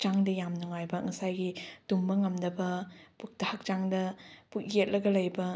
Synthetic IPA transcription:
t͡ʃaŋdɐjamnɐŋajbɐŋɐsajɡidumbɐŋɐmdɐbɐpuk̚tɐhɐk̚t͡ʃaŋdɐpuk̚jet̚lɐɡɐlɐjbɐ

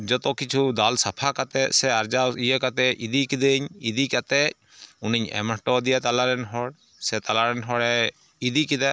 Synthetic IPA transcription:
d͡ʒɔt̪ɔkit͡ʃʰud̪alsapʰakat̪ɛsɛaɾd͡ʒaijɛkat̪ɛid̪ikid̪eɲid̪ikat̪ɛ | uniɲɛ̰məʈɔd̪ijat̪alaɾɛnɦɔɽ | sɛt̪alaɾɛnɦɔɽɛ | id̪ikid̪a

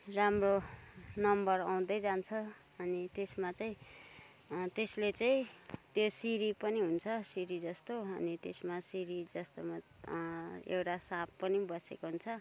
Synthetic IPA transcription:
ramro | nʌmbʌraw̃d̪ʌjd͡zant͡sʰʌ | ʌnit̪esmat͡saĩ | t̪eslet͡saĩ | t̪josiɾipʌniɦunt͡sʰʌsiɾid͡zʌst̪oʌ̰nit̪esmasiɾid͡zʌst̪oma | ḛwʈasapːʌnibʌsekoɦunt͡sʰʌ

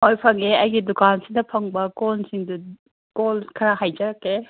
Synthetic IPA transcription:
ojpʰɐŋeɐjɡidukansidɐpʰɐŋbɐkolsiŋdu | kolkʰɐɾaɦajd͡ʒɐɾɐkːe

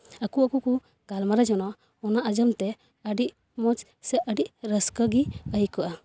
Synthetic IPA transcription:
akuakuku | ɡalmaɾɛd͡ʒɔnɔ | ɔnaʔad͡ʒəmt̪ɛ | əɖiʔ | mɔt͡ʃ | sɛəɖiʔɾəskəɡiəjkɔʔa

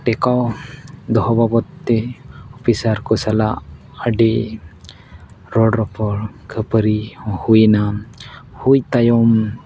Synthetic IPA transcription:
ʈɛkawd̪ɔɦɔbabɔt̪ːɛɔpisaɾkɔsala̰ʔ | əɖiʔ | ɾɔɖɾɔpɔɾkʰəpəɾiɔhujna | hujt̪ajɔm

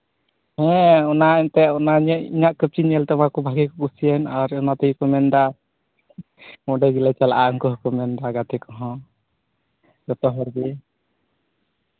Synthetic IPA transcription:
hɛ̃ɔnaɛnt̪ɛɔnaɲəḭɲaʔkəp̚t͡ʃiɲɛlt̪ɛmakɔbʱaɡɛkɔkusijɛnaɾɔnat̪əjkɔmɛnɖa | mɔɖɛɡilajt͡ʃalaʔaɔŋkɔɦkɔmɛnɖaɡat̪ɛkɔɦɔ̃ | ɡɔt̪ɔɦɔɾɡi

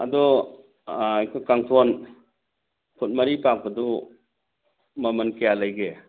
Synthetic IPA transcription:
ɐ̰dɔ | jkʰɔjkaŋtʰɔn | pʰut̚mɐɾipak̚bɐdɔ | mɐmɐnkejalajɡe

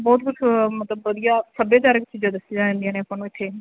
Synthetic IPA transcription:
bɔːt̪̚kʊt͡ʃʰmət̪ləbʋəd̪ijaːsəbẽːt̪aːɾekt͡ʃiːd͡ʒãd̪əsid͡ʒãːɪ̃nd̪iãːnẽːpənũːɪt̪ʰːeː

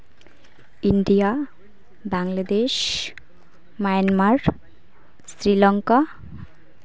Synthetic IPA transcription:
iɳɖija | baŋlad̪eʃ | majanmaɾ | sɾilɔŋka

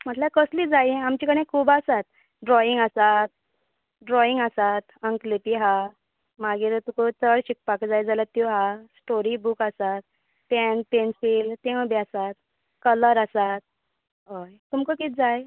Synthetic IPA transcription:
m̤əʈ̪lakəslid͡zajamt͡ɕikəɽ̃ẽkʰuːbasat̪̚ | ɖɾɔiŋɡasat̪̚ | ɖɾɔiŋɡasat̪əŋklipiɦa | maɡiːɾt̪ukut͡səɽɕik̚pakd͡zajd͡zalat̪ːjuɦasʈoɾibukasat̪̚ | pɛnpensilt̪ẽwbiasat̪̚ | kələɾasat̪̚ | ɦojt̪umkəkiːt̪̚d͡zaj

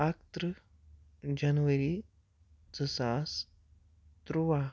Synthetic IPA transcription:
akt̪ɾə | d͡ʑanʋəɾiː | d͡zəsas | t̪ɾuʋa

